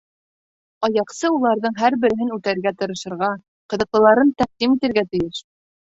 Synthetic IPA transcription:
ɑjɑqsɤulˠɑɾðɤɴɦæɾbɘ̆ɾɘ̆ɦɘnʉt̪æɾɡæt̪ɤ̆ɾɤ̆ʃɤ̆ɾʁɑ | qɤ̆ðɤ̆qlˠɤ̆lˠɑɾɤnt̪æq̚d̪imit̪ɘ̆ɾɡæt̪ɘ̆jɘʃ

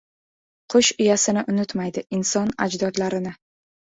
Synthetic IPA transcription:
qʰʊʃʊjasɪnɪʔʊnʊt̪majd̪ɪɪnsɒna̰d͡ʒd̪ɒd̪laɾɪnɪ

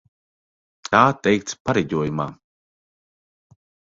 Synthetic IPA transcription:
t̪ʰaːt̪ɛjkt̪spaɾɛɟʲuɔjuma̰ː

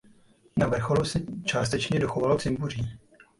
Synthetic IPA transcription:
navr̩xo̞lusɛt͡ʃaːst̪ɛt͡ʃɲɛdo̞xovalot͡sɪmpuriː

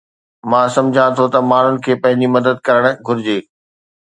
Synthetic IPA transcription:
mãːsɐ̃md͡ʑʱãt̪ʰot̪ɐmaːn̤ʊnɪ̆kʰeːpɐ̃ɦɪ̃ɲd͡ʑimɐd̪əd̪̚kɐɾəɽ̃ɡʱʊɾɪd͡ʑeː

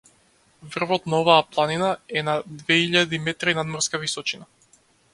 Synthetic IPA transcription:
vr̩vɔt̪naɔvaːplˠaninaɛnad̪vɛiʎad̪imɛt̪ɾinad̪mɔɾskavisɔt͡ʃina

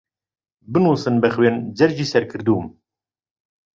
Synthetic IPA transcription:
bɨnuːsɨnbɛxweːnd͡ʒɛɾʒiːsɛɾkʰɨɾd̪uːm

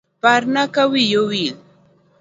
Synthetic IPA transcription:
paɾnakawɪjʊwɪl

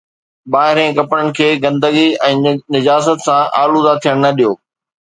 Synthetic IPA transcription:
ɓaːɦɪɾẽkɐpɽəɽ̃ɪ̆kʰeːɡɐ̃nd̪əɡiɛ̃ːnɪd͡ʑaːsət̪sãʔaːlud̪at̪ʰijəɽ̃nɐɗijoː

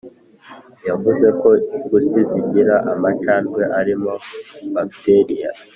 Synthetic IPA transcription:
javuze̞ko̞iɡusiziɟiɾaʔamat͡ʃaːnɡwe̞ʔaɾimo̞bakteɾija

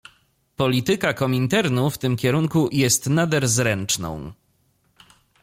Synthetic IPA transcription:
pɔlʲit̪ɘkakɔmʲint̪ɛɾnuft̪ɘmkʲɛɾuŋkujɛst̪nad̪ɛɾzɾɛnt͡ʂnɔ̰̃w̃

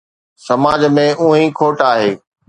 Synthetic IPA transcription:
sɐmaːd͡ʑmẽʔũːɦĩkʰoːʈaːɦeː

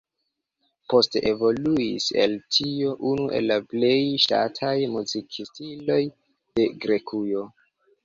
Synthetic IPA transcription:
po̞steʔevo̞luise̞̰ltʰio̞ʔunuʔe̞̰lːaple̞jʃta̰tʰajmuzikʰistilo̞j | d̥e̞ɡɾe̞kʰujo̞

